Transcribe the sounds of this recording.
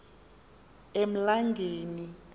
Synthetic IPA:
em̩laŋɡʱeːni

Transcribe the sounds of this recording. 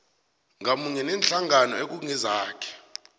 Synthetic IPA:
ŋamuɲɛnɛnɬaŋanɔek̬uŋɛzaːkʰɛ̥

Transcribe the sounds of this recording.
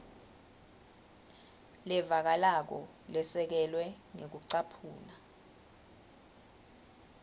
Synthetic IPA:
lɛvak̬alak̬ɔ | lɛsɛk̬ɛlwɛ | ŋek̬uǀapʰuːna

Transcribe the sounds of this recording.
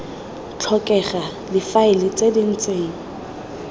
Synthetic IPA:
t͡ɬʰɔkʼɛχa | dɪfaɪlɪt͡sedin̩t͡sʼeːŋ̩

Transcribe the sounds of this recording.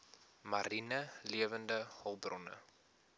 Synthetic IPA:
maɾinəliəvəndəhɔlˠbrɔnə̰

